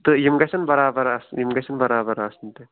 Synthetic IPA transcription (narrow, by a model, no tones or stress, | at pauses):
t̪ɨjimɡɐsɐnbɐɾaːbɐɾɐsjimɡɐsɐnbɐɾaːbɐɾaːsnt̪e